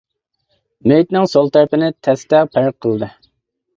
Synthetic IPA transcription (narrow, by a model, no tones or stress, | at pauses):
mejt̪nɪŋsolˠt̪ʰæɾpɪnɪt̪ʰɛst̪ɛpʰæɾqʰːəlˠd̪ɨ